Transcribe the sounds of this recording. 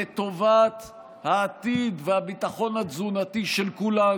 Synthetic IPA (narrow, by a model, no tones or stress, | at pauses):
et̪o̞vat̪ | haːt̪id̪vehabit̪aχo̞nhazunat̪iʃelkula